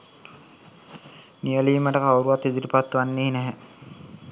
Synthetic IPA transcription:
niəliːməʈəkawɾuʋat̪ːid̪uɾipat̪ːuʋanːeːnæɦæ

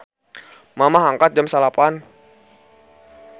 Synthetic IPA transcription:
mamaɦaŋkat̪̚d͡ʒamsalapan

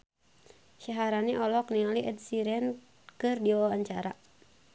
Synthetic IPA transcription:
ʃaɦaɾaniʔɔlɔknialiʔədsiɾɛn | kɨrdiwawaɲt͡ʃaɾa̰

